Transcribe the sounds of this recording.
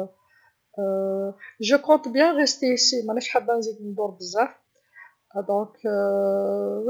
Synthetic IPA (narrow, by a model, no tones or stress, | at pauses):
ʒəkɔ̃t̪bjæ̃ʁest̪eisimæʕnæʃħəbːænzid̪nd̪ʊɾbəzːaf | d̪ɔ̃k